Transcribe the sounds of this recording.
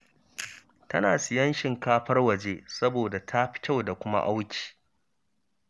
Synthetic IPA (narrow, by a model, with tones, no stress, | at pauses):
tɐ˦naː˨sɪ˨jɐ˦nʃɪ˨ŋkaː˦ɸɐ˦rwɐ˨d͡ʒeː˦sɐ˦boː˨da˨tʰa˦ɸɪ̥˦kʲa˦wda˨kʷʊ˦ma̰˦ʔa˦wkʲi̥ː˨